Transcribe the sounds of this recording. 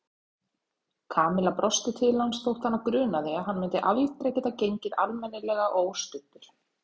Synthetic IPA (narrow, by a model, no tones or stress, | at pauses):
kʰaːmɪlapɾɔst̪ɪt̪ʰɪlansθowht̪hanːavkɾʏːnaðɛaɦanːmʏnt̪ɪʔavjɪht̪ɾɛcːɛt̪ːacejɲcɪðalmɛnːɪlɛɣaʔoːwst̪ʏht̪ʏɾ̥